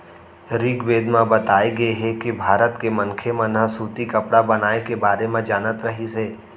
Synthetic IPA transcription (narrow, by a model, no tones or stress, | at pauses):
ɾiɡʋeːd̪mãbət̪aːiɡəeɦɛkibʱaːɾət̪kemənkʰemãnəsuːt̪ikəpɽabɐnaːekebaːɾemãd͡ʒaːnət̪ɾəɦiseː